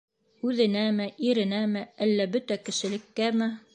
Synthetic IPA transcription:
ʉðɘ̆næmɘʔiɾɘ̆næmɘælːæbɵt̪ækɘ̆ʃɘ̆lɘ̆kːæmɘ

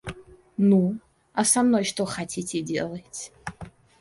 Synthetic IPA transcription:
nu | asamnojʂto̞χatʲʰitʰʲedʲḛlˠɐjtʲʰ

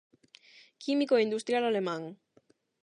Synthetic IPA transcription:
kimikoind̪ust̪ɾjalalemãŋ

